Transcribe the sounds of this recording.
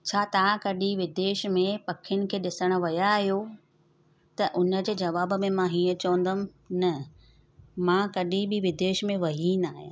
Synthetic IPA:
t͡ɕʰaːt̪ɐʋãkɐɗiʋɪd̪eːʃmẽpɐkʰɪjʊnɪ̆kʰeːɗɪsəɽ̃ə̆ʋɐjaɦijo | t̪ɐʔʊnə̆d͡ʑeːd͡ʑɐʋaːbə̆mẽmãɦiːə̃t͡ɕɐʋə̃n̆d̪əm | nɐ | mãːkɐɗibɪʋɪd̪eːʃmẽʋɐɦinaːɦɪj̰̃

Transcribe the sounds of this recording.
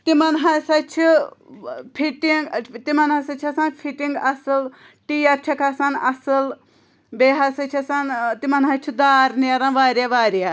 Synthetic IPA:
t̪imɐnɦɐsɐt͡ʃʰi | pʰiʈiŋɡt̪imɐnɦɐsɐt͡ʃʰɐsaːnpʰiʈiŋɡɐsɨl | ʈiːɐpt͡ʃʰɐkɐsanɐsɨl | beːɦɐsɐt͡ʃʰɐsant̪imɐnɦɐt͡ʃʰid̪aːɾniɐɾãːʋaːɾjaʋaːɾja

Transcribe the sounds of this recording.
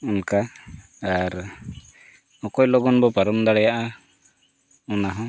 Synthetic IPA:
ɔnka | aɾ | ɔkɔjlɔɡɔnbɔpaɾɔmd̪aɽɛjaʔa | ɔnaɦã

